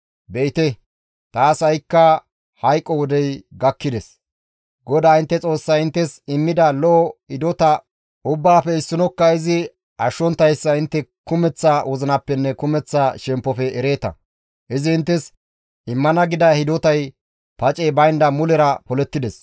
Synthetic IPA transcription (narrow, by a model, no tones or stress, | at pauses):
bɛɪt̪ɛ | t̪aːsɐjkːɐ | hɐjkʼːɔwɔd̪ɛjɡɐkːɪd̪ɛs | ɡɔd̪aːɪnt̪ːɛt͡sʼo̞ːsːɐjɪnt̪ːɛsɪmːɪd̪ɐlɔːhɪd̪ɔt̪ɐ | ʔʊbːaːfɛɪsːɪnɔkːɐɪzɪ | ɐʃːɔnt̪ːɐjsːɐɪnt̪ːɛkʊmɛt͡sːawɔzɪnɐpːɛnːɛkʊmɛt͡sːaʃɛmpːɔfɛːɾe̞ːt̪ɐ̰ | ʔɪzɪɪnt̪ːɛs | ɪmːɐnɐɡɪd̪ɐhɪd̪ɔt̪ɐj | pɐt͡ʃʼɛbɐjnd̪ɐmʊlɛɾɐpɔlɛt̪ːɪd̪ɛs